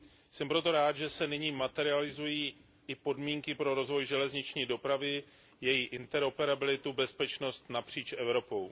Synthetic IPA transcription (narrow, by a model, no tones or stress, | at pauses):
sɛmpɾo̞t̪o̞ɾaːt̪ʒɛsɛnɪɲiːmat̪ɛɾɪalɪzujiː | ʔɪpo̞dmiːŋkɪpɾo̞ɾo̞zvo̞jʒɛlɛzɲɪt͡ʃɲiːdo̞pɾavɪ | jɛjiʔɪnt̪ɛɾo̞pɛɾabɪlɪt̪ubɛspɛt͡ʃno̞st̪napr̝̥iːt͡ʃʔɛvɾo̞po̞w